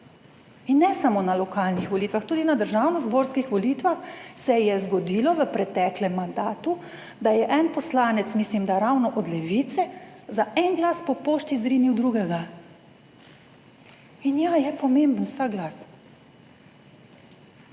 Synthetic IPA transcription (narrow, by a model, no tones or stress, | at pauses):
inːɛsamoːnalɔkaːlnixʋɔliːt̪ʋaxt̪uːd̪inad̪əɾʒaːwnɔzboːɾskixʋɔlit̪ʋaxsɛjɛzɡɔd̪iːlɔʋəpɾɛt̪ɛklɛmːand̪aːt̪u | d̪ajɛʔɛnpɔslaːnɛt̪smiːslimd̪aɾawnɔʔɔd̪lɛʋit̪sɛzaʔɛnɡlaːspɔpoːʃt̪izɾiːniwd̪ɾuːɡɛɡa | injajɛpɔmẽmbn̩wsakɡlaːs